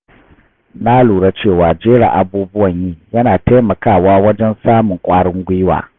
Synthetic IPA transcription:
na˦luː˨ɽa˦t͡ʃeː˦˨waː˨d͡ʒeː˦ɽa̰˨ʔa˨buː˦bʊ˦wɐ˨ɲjiː˦jɐ˦naː˨ta˦mɐ˨kaː˦˨waː˦wɐ˦d͡ʒɛ˦nsaː˦mʊ˨ŋkʷʼaː˦ɽɪ˦ŋɡʷi˦wa̰ː˨

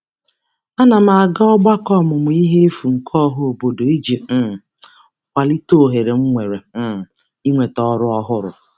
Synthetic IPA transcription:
a˦na˨ma˨a˨ɡa˦ɔ˦ɡ͡ba˦kɔ˦˨mʊ˨mʊ˨i˦ɦe˦e˦fu˨ŋ̩˨kʰɔ˦ɦʊ˦o˨bo˨do˨e˦d͡ʒe˨ | kʷa˨li˦to˦˨ɦe˨ɾe˨ŋ͡m̩˦ŋʷe˨ɾe˨˦˨ | i˦ŋʷe˨tɔ˦ɾʊ˦ɔ˦ɦʊ˦ɾʊ̰˨

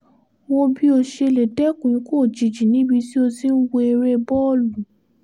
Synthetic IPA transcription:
wo˦bi˦o˧ʃe˧le˨dɛ˦kũ˨˦ko˦˨d͡ʒi˨d͡ʒi˨nĩ˨˦bi˧ti˦o˧si˦n̩˦wo˧e˧ɾe˧bɔ˦˨lu˨

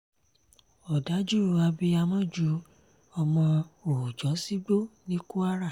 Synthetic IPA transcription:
ɔ˨da˨˦d͡ʒu˦ɾu˧a˧bi˧a˧mɔ̃˦d͡ʒu˨˦ | ɔ˧mɔ̃˧o˨u˨d͡ʒɔ˨˦si˦ɡ͡bo˦˨nĩ˦ku˦a˦ɾa˦˨

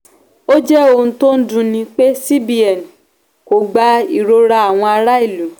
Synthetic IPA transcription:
o˦d͡ʒɛ˦o˧ũ˧to˦n̩˦dũ˦nĩ˧k͡pe˦si˦bi˦ɛ˨n˨ | ko˨ɡ͡ba˦i˨ɾo˧ɾa˧a˨w̃ɔ̃˧a˧ɾa˦i˦˨lu˨˦

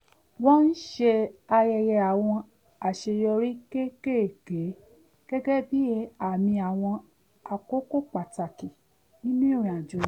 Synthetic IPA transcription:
wɔ̃˦n̩˦ʃe˧a˧jɛ˧jɛ˧a˨w̃ɔ̃˧ | a˨ʃe˧jɔ˧ɾi˦ke˦ke˦˨ɡe˨˦ | ɡ̥ɛ˦ɡɛ˦bi˦e˧˦a˨mĩ˧a˨w̃ɔ̃˧ | a˨ko˦ko˦k͡pa˨ta˨ki˨ | nĩ˦nĩ˦ɾĩ˨a˨d͡ʒo˨˦

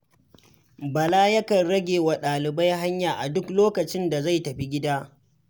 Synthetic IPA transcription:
bɐ˨laː˦jɐ˦kɐ˨nɽɐ˦ɡʲeː˨wa˨ɗaː˨lɪ˨ba˦jɦa˦ɲjaː˨ʔa˨dʊ˦kloː˦kɐ˨t͡ʃɪ˦nda˨za˦˨jtɐ˨ɸi˦ɡʲɪ˦daː˦

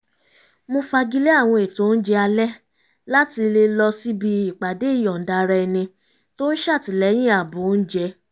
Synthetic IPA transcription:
mõ˧fa˧ɡi˧le˦a˦˨w̃ɔ̃˧e˨to˨˦n̩˦d͡ʒɛ˧˦a˧lɛ˦ | la˦ti˧le˧lɔ˧si˦bi˧i˨k͡pa˨de˨˦i˦˨jɔ̃˨n̩˨da˧ɾɛ˧ɛ˧nĩ˧ | to˦n̩˦ʃa˦˨ti˨˦lɛ˨˦j̃ĩ˦a˨bo˨˦n̩˦d͡ʒɛ˧˦

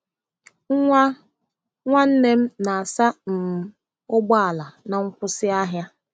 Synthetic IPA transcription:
ŋʷa˦n̩˦ne˦m̩˦na˨a˨sa˦m̩˨ | ʊ˦bɔ˦a˨la˨na˨ŋ̩˦kʷʊ˦sɪ˦a˦ɦja˦

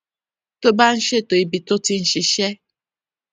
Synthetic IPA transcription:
to˦ba˦n̩˦ʃe˦to˨i˨bi˨tʊ˦ti˦n̩˨ʃi˨ʃe˦

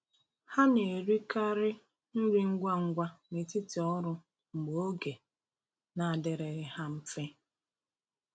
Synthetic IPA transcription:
ha˦ne˨ɾi˦ka˦ɾɪ˦ | n̩˦ɾi˦ŋ̩˦ɡʷa˦ŋ̩˦ɡʷa˦me˨ti˦tɔ˦ɾʊ˦ | ŋ͡m̩˨ɡ͡bo˦ɡe˨ | na˨a˨dɪ˨ɾe˨ɣɪ˨ha˦m̩˦fe˦

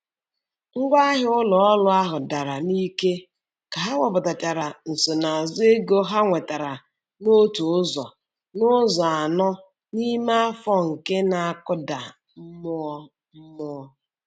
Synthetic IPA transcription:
ŋ̩˦ɡʷa˦ɦɪ˦ʊ˦lɔ˨ɔ˦lʊ˦a˦ɦʊ˨da˨ɾa˨ni˦ke˦ | ka˨ɦa˦ŋʷɔ˨bʊ˨ta˨ta˨ɾa˨n̩˨so˨na˨a˨zʊ˦e˦ɡo˦ɦa˦ŋʷe˨ta˨ɾa˨ | no˦tu˨ʊ˦zɔ˨ | nʊ˦zɔ˨a˨nɔ˦ | ni˦ma˦a˦fɔ˦ŋ̩˨ke˦na˨a˦˨kʊ˦da˨ | m̩˦mʊ˦ɔ˦ | m̩˦mʊ˦ɔ˦

